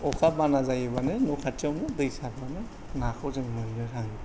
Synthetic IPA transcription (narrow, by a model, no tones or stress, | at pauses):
ɔkʰabanazajɯbanɯnukʰatɔmnɯdɯjsabanɯ | nakʰɔzɯŋmɯnɯɾaŋni